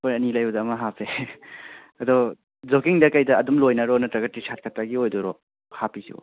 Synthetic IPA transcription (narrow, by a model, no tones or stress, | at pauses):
kojɐnilajɐdɐːmɐɦapʰe | ɐdɔ | d͡ʒokiŋdɐkɐjdɐːdumlojnɐɾɔnɐtɾɐɡɐtːisʰat̚kʰɐtːaɡiojdɔɾɔ | hapisḭɡo̰